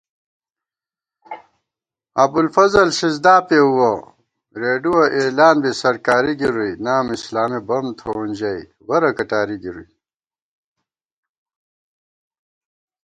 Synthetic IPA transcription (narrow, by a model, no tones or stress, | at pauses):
ɐbulfɐzɐlɕizd̪aːpeuwɐ | ɾeːɖuɐʔeːlaːnbisɐɾkaːɾiɡiɾujnaːmislaːmibɐmt̪ʰounʲd͡ʑɐj | wɐɾɐkɐʈaːɾiɡiɾṵj